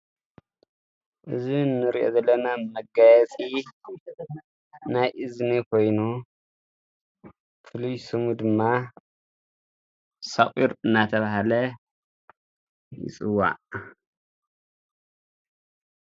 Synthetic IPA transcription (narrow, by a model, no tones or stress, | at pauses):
ʔɨzinːɨɾiʔo̰zɐlːɐnamɐɡajɛt͡sʼi | najʔɨznikʰo̞jnu | fɨlujsɨmud̪ɨmːa | saχʼiɾɨnːat̪ʰɐβahalɐ | jɪ̰t͡sʼɨwa̰ʔ